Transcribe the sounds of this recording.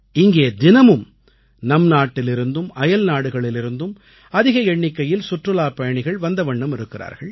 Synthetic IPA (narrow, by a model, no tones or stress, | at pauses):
ɪŋɡeːd̪ɪnɐmɯm | nɐmnaːʈːɪlɪɾɯnd̪ɯmʔɐjɐlnaːɽɯɣɐɭɪlɪɾɯnd̪ɯm | ɐðɪɣɐɛɳːɪkːɐjɪlsʊʈrɯlaːpɐjɐɳɪɣɐɭʋɐnd̪ɐʋɐɳːɐmɪɾɯkːɪra̰ːɾɣɐɭ